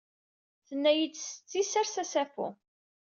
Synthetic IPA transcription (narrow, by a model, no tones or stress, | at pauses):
θənːæjit͡sːsə̥t͡sːisæɾsæsæfṵ